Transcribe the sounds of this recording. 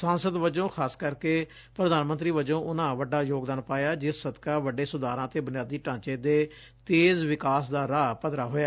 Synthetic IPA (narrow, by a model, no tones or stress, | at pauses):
sãːnsəd̪ʋəd͡ʒõːkʰaːskəɾkeː | pɾəd̪aːnmənt̪ɾiːʋəd͡ʒõːʔʊnãːʋəɖaːjoːɡd̪aːnpaːjaːd͡ʒɪssəd̪kaːʋəɖeːsʊd̪aːɾãːt̪eːbʊnɪjaːd̪iːʈãːt͡ʃeːd̪eː | t̪eːzʋɪkaːsd̪aːɾaːpət̪ɾaːɦoːjaː